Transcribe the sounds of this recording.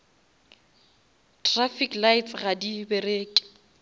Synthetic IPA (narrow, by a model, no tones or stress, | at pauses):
tʰʼrafiklaɪt͡sɣadibɛreːkʼɪ̥